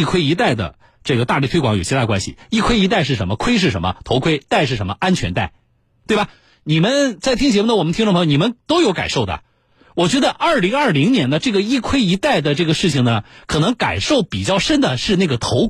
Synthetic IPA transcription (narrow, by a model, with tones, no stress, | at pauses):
kʰwe˥ɪi˧˥t̪a˥˩ɪd̪ə̰˩ | ʈ͡ʂɤ˥˩ɡə˩t̪a˥˧li˥˩t̪ʰe˥kwɑ˧˥ŋjo˨˩t͡ɕʰi˧˥a˥˩kwa˥nɕḭ˨˩i˥˩kʰwe˥ɪi˧˥t̪a˥˧ɪʂ̬ɻ̩˥˩ʂə˧˥nmə˧kʰwe˥ɪʂ̬ɻ̩˥˩ʂə˧˥mə̰˧t̪ʰo˧˥ʊkʰwe˥ɪt̪a˥˧ɪʂɻ̩˥˩ʂə˧˥nmə˧ʔa˥nt͡ɕʰɥɛ˧˥nt̪a˥˩ɪ | t̪we˥˩bɐ˩ | ni˨˩mə˦nt͡sa˥˩ɪt̪ʰi˥ŋt͡ɕʰɛ˧˥m˥˧nə˨wmnʰ˥ŋʈ͡ʂpʰjo˧ni˨˩mə˦nt̪o˥ʊjo˧˥ka̰˨˩ɪʂo˥˩ʊd̪ə̰˩ | wɔ˨˩t͡ɕɥɛ˧˥d̪ə˧ʔɐ˞˥˩li˧˥ŋɐ˞˥˩li˧˥ŋnjɛ˧˥nd̪ə˧ʈ͡ʂɤ˥˩ɡə˩i˥˩kʰwe˥ɪi˧˥t̪a˥˩ɪd̪ə˩ʈ͡ʂɤ˥˩ɡə˩ʂɻ̩˥˩t͡ɕʰi˩ŋnə˩kʰɤ˨˩nɤ˧˥ŋka̰˨˩nʂo˥˩ʊpi˨˩t͡ɕjɑ˥˩ʊʂə˥nd̪ə˨ʂɻ̩˥˧na˥˩ɡə˩t̪ʰo˧˥ʊ